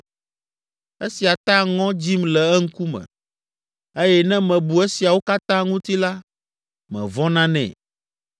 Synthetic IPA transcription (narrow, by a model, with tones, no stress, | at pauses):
e˦si˨a˨t̪ã˦ŋɔ̃˦d͡ʑi˦mlɛ˨ɛ˦ŋ̩˦ku˦mɛ̰̃˨ | e˦jɛ˦nɛ̃˦mɛ̃˨bu˨e˦si˨a˨wo˦ka˦t̪ã˦ŋũ˦t̪i˦la˦ | mɛ̰̃˨vɔ̃˦nã˦nɛ̰̃˨